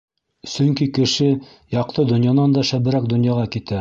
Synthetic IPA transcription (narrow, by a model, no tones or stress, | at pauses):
sɵŋkikɘ̆ʃɘ | jɑq̚t̪ɤd̪ŏnjɑnɑnd̪ɑʃæβɘ̆ɾæk̚d̪ŏnjɑʁɑkit̪æ